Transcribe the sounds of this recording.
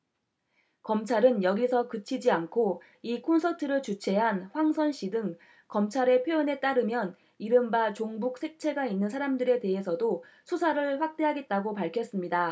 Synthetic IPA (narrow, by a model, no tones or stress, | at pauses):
kʌmt͡ɕʰaɾɯnjʌɡisʰʌkɯt͡ɕʰid͡ʑiankʰo | ikʰonsʰʌtʰɯɾɯɭt͡ɕut͡ɕʰe̞ɦanɸwaŋsʰʌnɕ͈idɯŋ | kʌmt͡ɕʰaɾe̞pʰjojʌne̞t͈aɾɯmjʌn | iɾɯmbat͡ɕoŋbuk̚s͈ʰe̞k̚t͡ɕʰe̞ɡainːɯnsʰaɾamdɯɾe̞te̞ɦe̞sʰʌdosʰusʰaɾɯɭɸwak̚t͈e̞ɦaɡe̞t̚t͈aɡopaɭkʰjʌs͈ɯmɲida